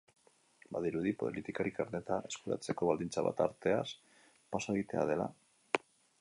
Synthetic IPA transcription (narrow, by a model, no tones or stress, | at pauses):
baðiɾuðipo̰ðlit̪ikaɾikaɾne̞t̪aʔe̞skuɾa̰t͡se̞ko̞βald̪int͡saβa̰t̪a̰ɾt̪e̞as | pasoeɣit̪e̞a̰ðe̞la̰